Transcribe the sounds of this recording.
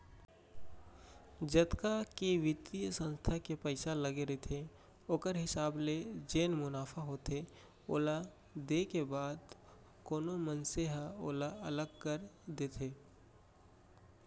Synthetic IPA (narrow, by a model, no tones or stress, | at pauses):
d͡ʒət̪kakeʋɪt̪ijsə̃nst̪ʰakepəɪsaləɡeɾet̪ʰe | oːkəɾɦɪsaːbled͡ʒeːnmʊnaːfʰaɦoːt̪ʰe | o̰ːla | d̪ekebaːd̪ | koːnomənseɦaoːlaɐləɡkəɾd̪eːt̪ʰeː